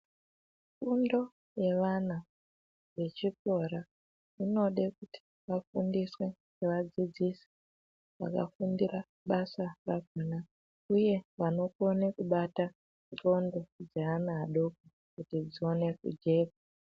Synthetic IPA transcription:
m | fundo̞ | je̞ʋana | ʋe̞t͡ʃiko̞ra | ino̞ɗekuti̥ | ʋafundiswe̞ | ɡeʋad͡zid͡zise̥ | ʋa̰ka̰fundira | ɓasaraɡʱana | uje̞ʋano̞ko̞nekuɓata | nɡo̞ndo̞d͡zeɦanaːɗo̞ko | kutid͡zio̞ne̞kṵd͡ʒe̞ːka

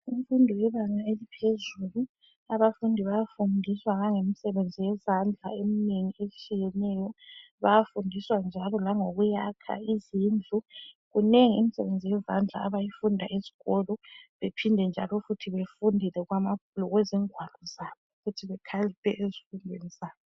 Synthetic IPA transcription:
uɱfundʱɔjɛβaŋaelipʰezulu | aβafundʱiβajafundʱiswaɣaŋemisɛβend͡zʱijɛzand͡ɮʱa̰emineŋiet͡ʃʼijɛnɛːjɔ | βajafundʱiswand͡ʒʱalɔlaŋoɣujakʰa̰izind͡ɮʱu | ɣuneŋiimisɛβend͡zʱijɛva̰nd͡ɮʱa̰ːβajifundʱaʔezi̥ɣɔlɔβepʰindʱɛnd͡ʒʱalɔfutʰiβefundʱilɛɣwamalɔɣweziŋʱwalɔzaβɔfutʰiβɛkʰazipʰɛ̰ʔezifundʱeniz̥aːβɔ

